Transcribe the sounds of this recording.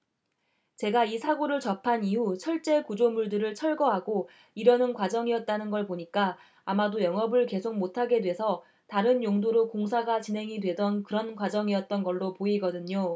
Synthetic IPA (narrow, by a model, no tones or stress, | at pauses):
t͡ɕe̞ɡaisʰaɡoɾɯɭt͡ɕʌpʰaniɦut͡ɕʰʌɭt͡ɕ͈e̞kud͡ʑomuɭdɯɾɯɭt͡ɕʰʌɭɡʌɦaɡo | iɾʌnɯnkwad͡ʑʌŋiʌt̚t͈anɯnɡʌɭpoɲik͈aː | madojʌŋʌbɯɭke̞sʰok̚motʰaɡe̞dwe̞sʰʌ | taɾɯnjoŋdoɾokoŋsʰaɡat͡ɕinɦe̞ŋidwe̞dʌnkɯɾʌnkwad͡ʑʌŋiʌt̚t͈ʌnɡʌɭːopoiɡʌdɯɲo